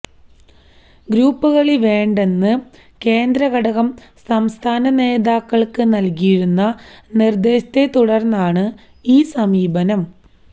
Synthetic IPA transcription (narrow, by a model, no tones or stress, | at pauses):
ɡɾuːpːuɣɐɭiʋe̞ːɳɖe̞nːɨ | ke̞ːnd̪ɾɐɣɐɽɐɣɐm | sɐmst̪ʰaːnɐne̞ːðaːkːɐɭkɨnɐlkijiɾunːɐnird̪e̞ːɕɐ̥t̪e̞t̪uɽɐrnːaːɳɨ | iːsɐmiːbɐnɐm